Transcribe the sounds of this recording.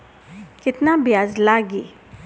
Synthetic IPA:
kɪt̪nabjaːzlaːɡeː

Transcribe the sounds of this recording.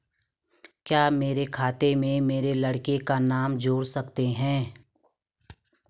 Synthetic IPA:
kjaːmeːɾekʰaːt̪emẽmeːɾelɐɽkekanaːmd͡ʒoːɽsɐkt̪eɦɛ̃ː

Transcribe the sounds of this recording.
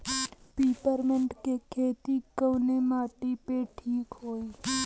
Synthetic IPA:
piːpəɾmə̃ɳʈkekʰeːt̪ikəwnemaːʈipeʈʰiːkɦoːiː

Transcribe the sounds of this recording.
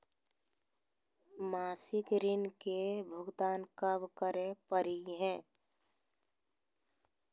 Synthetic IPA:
maːsɪkɾɪnkebʱʊɡt̪aːnkəbkəɾepəɾiɦɛ̃ː

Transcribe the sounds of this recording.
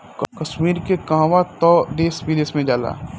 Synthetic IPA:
kkəʃmiːɾkekãɦʋat̪ɔːd̪eːsbilesmẽd͡ʒaːla̰ː

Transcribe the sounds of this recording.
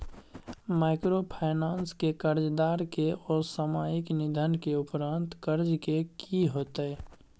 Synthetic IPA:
maːɪkɾopʰaːɪnaːnskekəɾd͡ʒd̪aːɾkeɔːsəmaːjɪknɪd̪ʱənkeʊpɾãːnt̪kəɾd͡ʒkekiɦoːt̪eɛ

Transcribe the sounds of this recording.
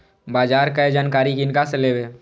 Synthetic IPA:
baːd͡ʒaːɾkaed͡ʒaːnkaːɾikinkaseleːweː

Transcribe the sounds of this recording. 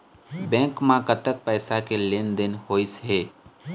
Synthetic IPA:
bɛ̃ːŋkmãkət̪ək̚pɛːsakelend̪ɪnhoːisɦeː

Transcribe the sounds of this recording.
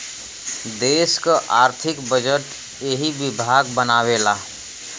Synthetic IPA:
d̪eːskaʔaːɾt̪ʰɪkbəd͡ʒəʈ | jeɦiʋɪbʱaːɡbənaːweːlaː

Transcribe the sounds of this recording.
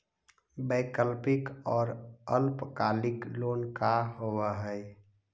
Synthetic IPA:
bəkəlpɪkɔːɾəlpkaːlɪkloːnkaɦowaɦɛɛ

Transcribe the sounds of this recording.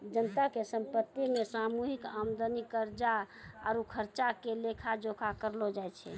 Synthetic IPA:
d͡ʒənət̪akesəmpət̪ːimesamuɦikamd̪ənikːəɾd͡ʒa | a̰ɾukʰəɾt͡ʃakelekʰad͡ʒokʰakəɾlod͡ʒajt͡ʃʰɛ̰

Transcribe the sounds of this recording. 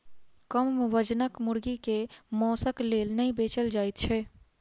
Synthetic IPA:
kəmʋəd͡ʒnəkmʊɾɡikemɔːsəkleːlnəĩbeːt͡ʃəld͡ʒaːɪt̪̚t͡ʃʰɛː

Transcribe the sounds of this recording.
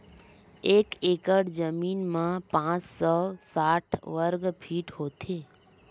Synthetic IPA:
eːkeːkəɽd͡ʒəmiːnmãpãːt͡ʃsɔsaːʈʰʋəɾɡpʰiːʈɦoːt̪ʰeː

